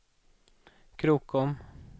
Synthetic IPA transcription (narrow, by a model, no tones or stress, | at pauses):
kʰɾuːkɔm